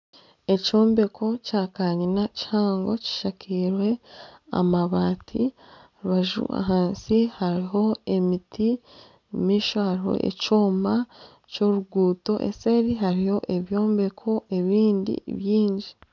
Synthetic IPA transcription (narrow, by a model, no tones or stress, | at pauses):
e̞co̞ːmbe̞kʰo̞caːkaɲinaci̥haːŋɡo̞ci̥ʃakʰiːɾwe̞a̰maβaːtʰḭaɾuβaʒṵa̰ɦaːnsihaɾiɦo̞e̞mitʰi | miːʃohaɾiho̰ʔḛcoːma | co̞ɾuɡuːto̞ʔḛse̞ɾiɦaɾiho̞ʔe̞βjo̞ːmbe̞kʰo̞e̞βiːndḭβjiːɲɟi